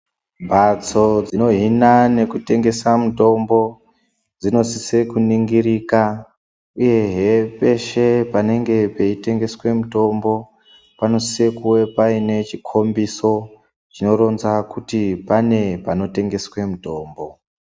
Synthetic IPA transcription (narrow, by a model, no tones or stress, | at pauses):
mbʱat͡so̞d͡zino̞ɦinane̞kute̞ŋɡe̞samuto̞mbo̞ | d͡zino̞sise̞kuniŋɡiɾiːka | uje̞ɦepe̞ʃe̞pane̞ŋɡe̞pe̞ite̞ŋɡe̞swe̞muto̞mbo̞ | pano̞sisekuwe̞paine̞t͡ʃikʰo̞mbiso̞ | t͡ʃino̞ɾo̞nzakutipane̞pano̞te̞ŋɡe̞swe̞muto̞ːmbo̞